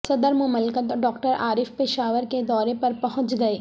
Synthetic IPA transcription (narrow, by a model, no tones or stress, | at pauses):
sɐd̪əɾmʊməlkət̪ɖɔːkʈəɾaːɾɪfpɪʃaːʋəɾked̪ɔːɾepɐɾpɐɦʊ̃t͡ʃɡɐeː